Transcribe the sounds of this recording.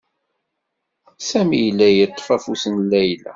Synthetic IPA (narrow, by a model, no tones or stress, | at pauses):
sæmijlːæjət̪ˤːfæfusənlːæjlæ̰